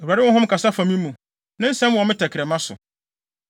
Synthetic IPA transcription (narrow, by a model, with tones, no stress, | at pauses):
o˨u˨a˨ɾɪ˦wɔ̃˦ɦʊ̃˦m˦kʰa˨sa˦fã˨mĩ˦mũ˨ | nã˦n̩˦sɛ̃˦m˨wɔ˨mɪ̃˦tʰɛ˨kʰɪɾɛ˨mã˦sʊ̰˨